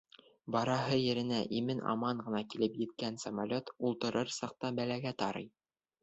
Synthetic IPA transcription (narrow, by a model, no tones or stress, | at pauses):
bɑɾɑɦɤjɘ̆ɾɘ̆næʔimɘnʔɑ̰mɑɴɢʁɤ̆nɑkilɘpjɘ̆t̪̚kænsɐmalʲot̪ulˠt̪ɤ̆ɾɤɾsɑq̚t̪ɑbælæɡæt̪ɑɾɤ̰j